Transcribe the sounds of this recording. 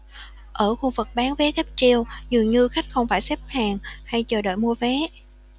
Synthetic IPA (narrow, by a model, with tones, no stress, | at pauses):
ʔəː˧˩xu˧və˨˩t̚ɓaː˨˦nve˨˦ka˦˥p̚t͡ɕi˧əwzɨ˨˩əŋɲɨ˧xa˦˥k̚xə˧wŋ͡mfaː˧˩jsɛ˦˥p̚haː˨˩ŋha˧jt͡ɕəː˨˩ɗə̰ː˧˩˨jmu˧əve˨˦